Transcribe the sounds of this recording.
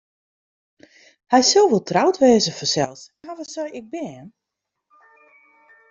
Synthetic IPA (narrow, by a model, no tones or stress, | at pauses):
hɛjsɪlˠʋolˠtʰrawtʋɛːzəfəsɛ̰lˠs | aʋɔsɔjɪɡ̚bɛːən